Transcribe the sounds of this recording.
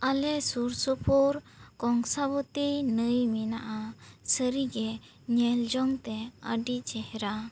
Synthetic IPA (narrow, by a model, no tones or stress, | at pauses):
alɛsuɾsupʰuɾ | kɔŋsabut̪inəjmina̰ʔasəɾiɡɛ | ɲɛld͡ʒɔŋt̪ɛə̰ɖit͡ʃɛhɾa